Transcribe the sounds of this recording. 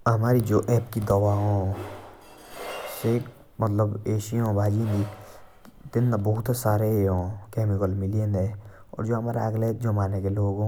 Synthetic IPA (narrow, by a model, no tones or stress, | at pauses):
ɦɐmaːɾid͡ʒoːʔɛːpkid̪ɔʋaɦõː | se | mət̪ləbeːʃiõbʱaːd͡ʒĩnd̪i | t̪ɪnːabɔɦʊt̪saːɾeɦõːkɛːmɪkəlmɪliẽnd̪e | ɔ̰ːɾd͡ʒoːɦɐmaːɾa̰ɐɡleːd͡ʒomaːnekeloːɡõ